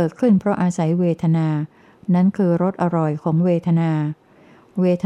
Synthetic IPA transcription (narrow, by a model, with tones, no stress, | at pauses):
ɤː˨˩t̪̚kʰɯ˥˩npʰɾɔ˦˥ʔaː˧sa˩˦jweː˧t̪ʰa˧naː˧ | na˦˥nkʰɯː˧ɾo˦˥t̪̚ʔa˧ɾɔ˨˩jkʰɔː˩˦ŋweː˧t̪ʰa˧naː˧ | weː˧t̪ʰ